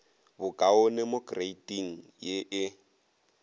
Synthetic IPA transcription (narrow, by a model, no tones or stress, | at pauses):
bʊkʼaʊnɛmokʼreitʼiŋ̩jeʔɪ